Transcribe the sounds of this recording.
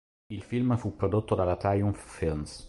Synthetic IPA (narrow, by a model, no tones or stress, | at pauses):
ilfilməfupːɾod̪ot̪ːod̪alat̪ajunffins